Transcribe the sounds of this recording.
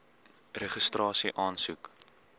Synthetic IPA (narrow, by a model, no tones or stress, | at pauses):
reχəstrɑːsiʔɑːnsuk